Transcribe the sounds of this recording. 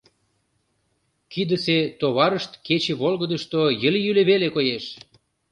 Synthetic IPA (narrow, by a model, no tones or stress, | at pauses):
kid̪əset̪oβɑɾəʃt̪ket͡ɕeβolɣəd̪əʃt̪ojəljyleβelekojeʃ